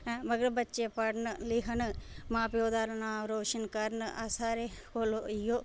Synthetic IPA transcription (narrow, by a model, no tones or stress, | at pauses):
mɐɡɾɐbɐtːt͡ʃepɐɽnɨliɦɐnɨmaːpjoːd̪aːɾɐnaːɾoːʃɐnkɐɾnɨʔasaːɾekoːloijoː